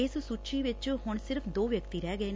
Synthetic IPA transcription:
ɪssut͡ʃiːʋɪt͡ʃɦʊɳsɪɾəpʰd̪oːʋjəkt̪iːɾɛːɡəeː

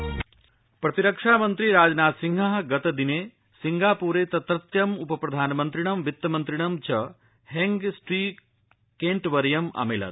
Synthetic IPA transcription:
pɾɐt̪iɾɐkʂaːmɐnt̪ɾiɾaːd͡ʒɐnaːt̪siŋɡʱɐɦɡɐt̪ɐd̪ineː | siŋɡaːpuːɾeːt̪ɐt̪ɾɐt̪jɐmupɐpɾɐd̪ʱaːnɐmɐnt̪ɾiɳ̃ɐmʋit̪ːɐmɐnt̪ɾiɳɐmt͡ʃʰɐ | ɦeŋɡsʈɾiː | keɳʈʋɐɾjɐmɐ̰meːlɐ̰t̪̚

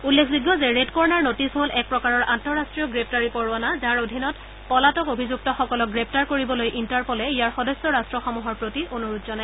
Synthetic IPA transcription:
ulːekʰziɡːɔzɛɹedkɔɹnaɹnotisɦolɛk̚pɹɔkaɹɔɹʔantɔɹastɹijɔɡɹep̚ʰtaɹipɔɹwanazaɹodʱinɔt | pɔlatɔkobʱizuk̚tɔxɔkɔlɔk̚ɡɹep̚ʰtaɹkoɹibɔlojʔintaɹpɔlɛijaɹxɔdɔsɔɹastɹɔxɔmuɦɔɹpɹotionuɹutzɔna

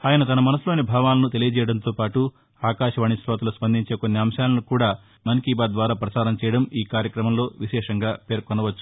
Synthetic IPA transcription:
aːjɐnɐt̪ɐnɐmɐnɐsulo̞ːnibʱaːʋaːlɐnut̪elijɐd͡ʒɛːjɐɽɐnt̪oːpaːʈu | aːkaːʂɐʋɐːɳisɾɔːt̪ɐluspɐnd̪iɲt͡ʃe̞ːkonːiɐmsaːlɐnukuːɽaː | mɐnkiːbaːd̪d̪ʋaːɾaːpɾɐsaːɾɐmt͡ʃɛːjɐɽɐmiːkaːɾjɐkɾɐmɐmlo̞ːʋiʃɛːʂɐŋɡaːpe̞ːɾkɔnɐʋɐt͡ʃːu̥

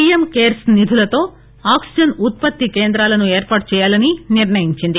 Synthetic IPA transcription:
ijemkeːɾsnid̪ʱulɐt̪o̞ː | aːksid͡ʒɐnut̪̚pɐt̪ːikeːnd̪ɾaːlɐnueːɾpaːʈ̚t͡ʃɛːjaːlɐniniɾɳɐjiɲt͡ʃind̪i

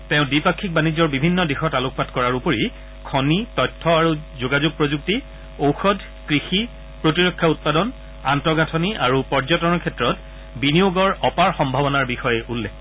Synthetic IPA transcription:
tẽʊ̃dipakʰːik̚banid͡ʑɔɹbibʱinːɔdixɔtalʊk̚ʰpatkɔɹaɹupoɹi | kʰɔnitɔjtʰːɔaɹuzoɡazuɡ̚pɹozuk̚ti | owxɔdʱ | kɹixi | pɹotiɹɔkʰːaut̚padɔn | antɹɔɡatʰɔniʔaɹupɔɹzɔtɔnɔkʰɛtɹɔt | binioɡɔɹɔpaɹxɔmbʱabɔnaɹbixɔjɛʔulːɛk

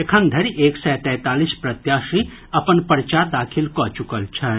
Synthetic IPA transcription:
ekʰənd̪ʱɐɾieːksɛːt̪ɛ̃ːt̪aːlispɾɐt̪jaːʃi | ɐpənpəɾt͡ʃad̪aːkʰɪlkɔːt͡ʃʊkəlt͡ʃʰɛ

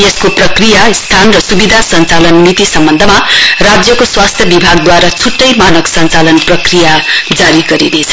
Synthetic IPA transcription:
jeskoprʌkrijast̪ʰanrʌsubid̪ʱasʌnt͡salʌnmit̪isʌmbʌnd̪ʱʌmarad͡zjʌkoswast̪ʰjʌbibʱaɡd̪waɾat͡sʰuʈːʌjmanʌksʌnt͡salʌnprʌkrijad͡zaɾiɡʌɾinet͡sʰʌ

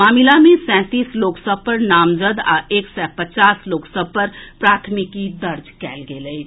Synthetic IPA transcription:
aːmilamẽsɛ̃ːt̪iːsloːksəb̚pəɾnaːmzəd̪a̰eːksɛpət͡ʃaːsloːksəb̚pəɾpɾaːt̪ʰmɪkːid̪ɐɾd͡ʒkɛ̰ːlɡeːləi

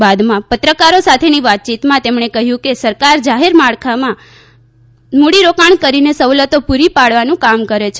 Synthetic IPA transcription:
bad̪mãpət̪ɾəkaɾosat̪ʰeniʋat̪̚t͡ʃit̪mãt̪emɳ̃ekəɦjũkesəɾkaɾd͡ʒaɦeɾmaɭkʰamã | moɽiɾokaɳ̃kəɾinesəʋlət̪opuɾipaɭʋanũkamkəɾet͡ʃʰ

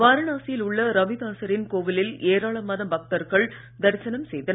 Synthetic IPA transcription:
ʋaːɾɐnaːsɪjɪlʊɭːɐɾɐʋɪðaːsɐɾɪnkoːʋɪlɪleːɾaːɭɐmɐːðɐmbɐk̚t̪ɐɾɣɐɭ | d̪ɐɾsɐnɐmsɛjðɐn

